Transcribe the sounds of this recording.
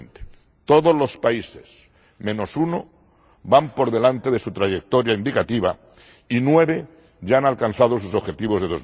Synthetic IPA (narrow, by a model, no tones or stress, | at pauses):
nt̪e̥ | t̪oðozlo̞spaises | mẽno̞suno | βampo̞ɾð̞e̞lant̪e̞ðe̞sut̪ɾaʝek̚t̪oɾjaind̪ikat̪iβa | inwe̞βe̞ | ʝaanalkanθað̞os̬usoβxet̪iβ̞oðeo̞z